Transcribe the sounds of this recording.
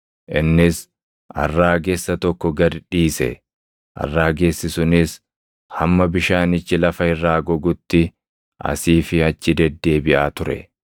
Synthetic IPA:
ʔɪnːɪs | ʔɐ̰rːaːɡesːɐt̪ɔkːɔɡɐd̪ᶑiːsɛ̰ | ʔɐ̰rːaːɡe̞ːsːɪsʊnɪs | hɐmːɐbɪʃaːnɪt͡ʃːɪlɐfɐɪrːaːɡɔɡʊt̪ːɪ | ʔɐ̰siːfɪɐt͡ʃːɪd̪ɛd̪ːe̞ːbɪʔaːt̪ʊɾɛ̰

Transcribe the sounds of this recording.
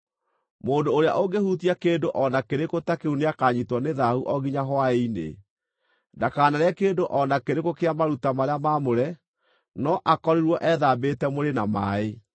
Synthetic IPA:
moːndoːɾea̰ʔoɡehutiakeːndoʔɔnakeɾekotakeuneakaɲitwɔneðahuʔɔɣiɲaɦwaeinḛ | ndakaːnaɾeakeːndoʔɔnakeɾekokeamaɾutamaɾeamamoɾɛ | nɔʔakɔɾiɾwɔʔɛðabetɛmoɾenamae

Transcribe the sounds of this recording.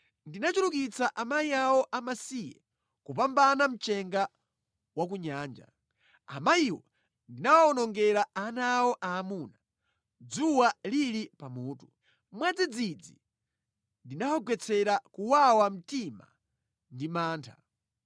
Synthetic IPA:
ndinat͡ʃulukit͡saʔamajiawɔʔamasijɛ̰ | kupambanam̩t͡ʃɛŋɡa | wak̬uɲaːnd͡ʒa̰ | a̰majiwɔ̰ | ndinawaɔnɔŋɡɛɾaanawɔʔaːmuna | d͡zuwalilipamuːtu | mwad͡zid͡zid͡zi | ndinawaɡwɛt͡sʰɛɾakuwawam̩tima̰ | ndimaːntʰa̰

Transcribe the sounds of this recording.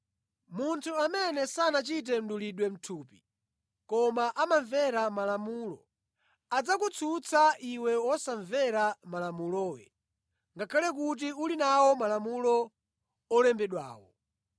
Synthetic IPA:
muntʰuamɛnɛsanat͡ʃit̬ɛm̩ɗuliɗwɛm̩tʰuːpi | kɔmaʔamaɱvɛɾamalamuːlɔ̰ | ad͡zakut͡sʰut͡sʰaʔiwɛwɔsaɱvɛɾamalamulɔːwɛ̰ | ŋɡakʰalɛk̬ut̬iulinawɔmalamulɔː | lɛmbɛɗwa̰ːwɔ̰

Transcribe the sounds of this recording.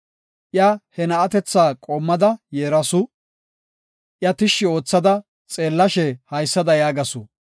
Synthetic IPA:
ʔjɐhɛnɐʔːt̪ɛt͡sːaːkʼoːmːɐd̪ɐjeːɾɐsʊ | ʔjɐt̪ɪʃːɪo̞ːt͡sːɐd̪ɐ | t͡sʼe̞ːlːɐʃɛhɐjsːɐd̪ɐjaːɡɐsʊ

